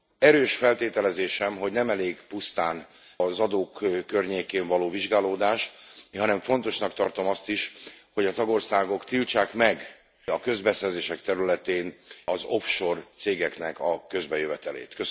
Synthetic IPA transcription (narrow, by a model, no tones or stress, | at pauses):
ɛɾøːʃfɛlt̪eːt̪ɛlɛzeːʃɛmɦo̞ɟnɛmɛleːɡpust̪aːn | zɒd̪oːkːørɲeːkeːɱvɒloːviʒɡaːloːd̪aːʃɦɒnɛɱfo̞n̪t̪o̞ʃnɒk̚t̪ɒrt̪o̞mɒst̪iʃho̞ɟɒt̪ɒɡo̞rsaːɡo̞kt̪ilt͡ʃaːkmɛɡ | ɒkø̞zbɛsɛrzeːʃɛkt̪ɛɾylɛt̪eːnɒzo̞fʃo̞rt̪seːɡɛknɛkɒkø̞zbɛjøvɛt̪ɛlḛːt̪kø